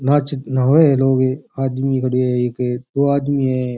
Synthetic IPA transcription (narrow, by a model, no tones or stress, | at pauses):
naːt͡ʃnaɦoeloːɡeaːd̪mikʰɐɽieeked̪oːaːd̪miɦɛ̃